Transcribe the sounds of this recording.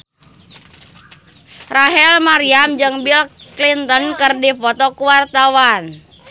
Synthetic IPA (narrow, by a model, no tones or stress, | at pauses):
raɦɛlmaɾiamd͡ʒɨŋbilklint̪ənkɨrdipɔt̪ɔkuwart̪awan